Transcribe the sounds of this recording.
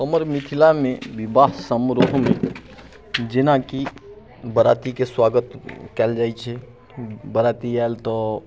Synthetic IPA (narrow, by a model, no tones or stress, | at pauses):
əməɾmit̪ʰilamebibasəmɾoɦme | d͡ʒenaki | bəɾat̪ikeswaɡət̪kɛld͡ʒajt͡ʃʰɛ | bəɾat̪iaelt̪ɔ